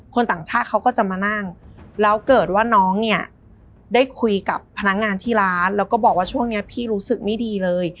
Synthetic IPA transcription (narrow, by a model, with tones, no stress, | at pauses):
kʰo˧nt̪aː˨˩ŋt͡ɕʰaː˥˩t̪̚kʰa˦˥wkɔː˥˩t͡ɕa˨˩maː˧na˥˩ŋlɛː˦˥wkɤː˨˩t̪̚waː˥˩nɔː˦˥ŋni˥˩ɐ | daː˥˩jkʰu˧jka˨˩pʰːa˧na˦˥k̚ŋaː˧nt̪ʰiː˥˩ɾaː˦˥nlɛː˦˥wkɔː˥˩bɔː˨˩k̚waː˥˩t͡ɕʰu˥˩əŋni˦˥ɐpʰiː˥˩ɾuː˦˥sɯ˨˩k̚ma˥˩jdiː˧lɤː˧j